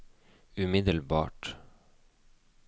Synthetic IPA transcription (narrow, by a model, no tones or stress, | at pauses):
ʉmɪd̪əlbɑ̰ːʈ